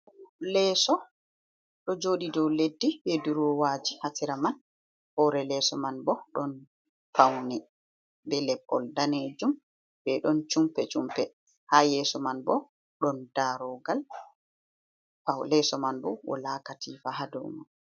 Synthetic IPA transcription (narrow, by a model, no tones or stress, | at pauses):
lɛːsɔ | ɗɔd͡ʒoɗidɔwledːibɛduɾɔwaːd͡ʒihatiɾaman | hɔɾɛlɛːsɔmanbɔɗɔn | fawnɛ | bɛlɛpːɔldaned͡ʒum | bɛɗɔnt͡ʃumpɛt͡ʃumpɛ | hajɛːsɔmanbɔ | ɗɔnd̥aɾɔɡal | fawlɛsɔmanbɔ̰wɔ̰laːkatʰifaɦadɔ̰wman